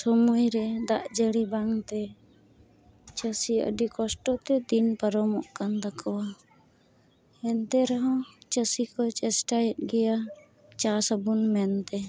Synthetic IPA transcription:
sɔmujɾɛd̪aʔd͡ʒəɽibaŋt̪ɛ | t͡ʃəsiə̰ɖikɔsʈɔt̪ɛd̪inpəɾɔmɔʔkand̪akʰɔwa | ɛnt̪ɛɾɔɦɔ̃t͡ʃəsikɔt͡ʃɛsʈajɛt̪̚ɡɛja | t͡ʃasəbunmɛnt̪ɛ

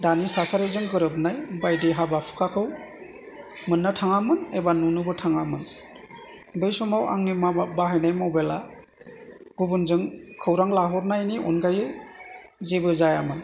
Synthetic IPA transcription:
danisasaɾezɯŋɡɯɾɯp̬̚najbajdiɦabapʰu̥kʰakʰɯw | mɯnːɯtʰaŋamɯnebanunubɯtʰaŋamɯn | bejsumawʔa̰ŋnimabaɦajnajmɔbela̰ | ɡubunzɯŋkʰɯwɾaŋlaɦɔɾnajniɔ̰nɡaje | zebɯzajamɯn

